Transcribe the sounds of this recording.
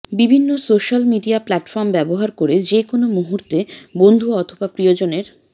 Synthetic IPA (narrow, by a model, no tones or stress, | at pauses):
bibʱinːosoʃalmiɖiaplaʈfɔɾmbɛboɦaɾkoɾed͡ʑekonomuɦuɾt̪ebond̪ʱuɔt̪ʰobapɾiod͡ʑoneɾ